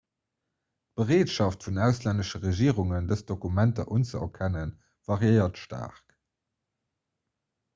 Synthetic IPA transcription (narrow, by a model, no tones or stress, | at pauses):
t̚b̥əʁeːtʃɑftfunæʊslændəʃəʁeʒiːʁuŋəndəsd̥okumæntɐ̰ʔunt͡səɐ̰kʰænən | vɑʁjəɪɐtʃtʰa̰ːʁk